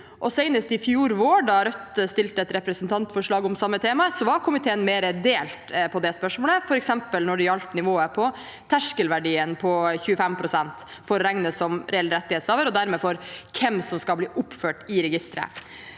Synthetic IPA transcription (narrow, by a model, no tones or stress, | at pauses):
ʔɔsɛɪnəst̪ɪfjuːɾʋoːɖɑɾœt̪ːəst̪ɪlt̪əɛt̪ɾɛpɾəsnt̪ʰɑnt̪fɔʂɭɑːɡɔmsɑmːət̪ʰeːmɑsɔʋɑɾkʰʊmɪt̪ʰeːənmeːɾəd̪eːlt̪pʰɔd̪ɛspœʂmoːləfɔɾɛksɛmpəlnɔɖɪɑlt̪nɪʋoːəpʰɔ | t̪ʰæʂkəlʋæɖiːənpʰɔçʉːəfɛmpʰɾʊsɛnt̪fɔɾːæŋnəsɔmɾɛɛlɾɛt̪ːɪheːt̪sɑːʋəɾɔd̪æɾmeːfɔɾkʰɛmsɔmskɑlbliːʔʊpːføːʈɪɾɛɡɪst̪ɾə̰